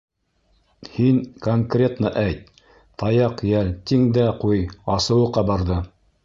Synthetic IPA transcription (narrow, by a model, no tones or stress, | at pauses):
hinkoŋkrʲet̪naʔæjt̪̚ | t̪ɑjɑqjælt̪iŋd̪æqujɑsɤ̆wɤ̆qɑbɑɾðɤ